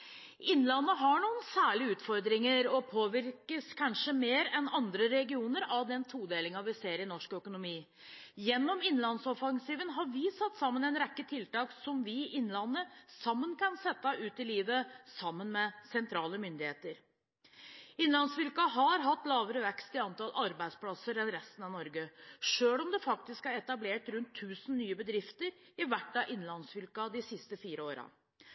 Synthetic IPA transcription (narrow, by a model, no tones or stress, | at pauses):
ɪnlɑnːəɦɑɳuːənsæːɭɪəʉːt̪fɔɾd̪ɾɪŋəɾɔpʰoːʋɪɾkəskʰɑnʂəmeːɾɛnɑnd̪ɾəɾɛɡɪuːnəɾɑʋd̪ɛnt̪ʰuːd̪eːlɪŋɑʋɪseːɾɪnɔʂkœkʊnʊmiː | jɛnːɔmɪnlɑnsɔfɑŋsiːʋənɦɑɾʋɪsɑt̪ːsɑmːənɛɪnɾɛkːət̪ʰɪlt̪ɑːksɔmʋɪʔɪnːlɑnːəsɑmːənkɑnsɛt̪ːɑʔʉːt̪ɪliːʋəsɑmːənmɛsɛnt̪ʰɾɑːləmʏnd̪ɪheːt̪əɾ | ɪnlɑnsfɪlkɑɦɑɾɦɑt̪ːlɑːʋəɾəʋɛkst̪ɪɑnt̪ɑlʔɑɾbæɪd̪spʰlɑsəɾɛnɾɛst̪ənɑʋnɔɾɡəʂøːlɔmd̪ɛfɑk̚t̪ɪskæɾɛt̪ɑbleːʈɾʉnt̪ʰːʉːsn̩nyːəbəd̪ɾɪft̪əɾ | ɪʋæʈːɑʔɪnːlɑnsfɪlkɑd̪ɪsɪst̪əfiːɾəoːɾɑ̰